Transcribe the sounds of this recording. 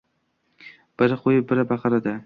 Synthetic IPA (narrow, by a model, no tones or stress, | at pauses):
b̥ɪɾɪqʰojɪbɪɾabɑqʰɑɾad̪a